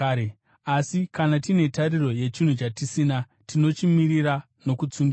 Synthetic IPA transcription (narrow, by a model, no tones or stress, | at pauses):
asikanatine̞tariro̞je̞t͡ʃin̤ut͡ʃatisina | tino̞t͡ʃimiriɾa | no̞kut͡suŋɡ